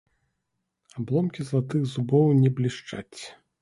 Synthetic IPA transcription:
ablˠɔmkʲizlˠat̪ɨxzubɔwnʲɛblʲiʂt͡ʂa̰t͡sʲ

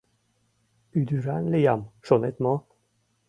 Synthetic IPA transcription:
yd̪yɾanlejamʃonɛt̪mɔ

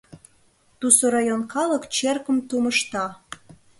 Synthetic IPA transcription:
t̪usoɾɑjonkɑləkt͡ɕerkəmt̪uməʃt̪ɑ

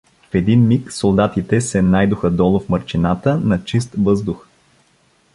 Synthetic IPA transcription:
fɛd̪inmiksolˠd̪at̪it̪ɛsɛnajd̪ʊxəd̪ɔlˠʊfməɾt͡ʃinat̪ənɐt͡ʃist̪vɤzd̪ʊx

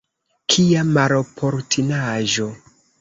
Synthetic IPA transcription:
kʰiamaɾopʰoɾtʰinaʒo̞

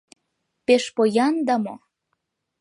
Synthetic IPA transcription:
peʃpojɑnd̪ɑmo

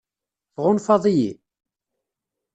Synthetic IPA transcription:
θʁʊnfɑðˤiji

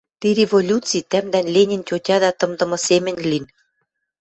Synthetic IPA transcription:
t̪iɾevolʲut͡sit̪æmd̪ænlenʲĭnt͡ɕʲotʲɑd̪æt̪ɤ̆md̪ɤ̆mɤ̆semɘ̆nʲlin

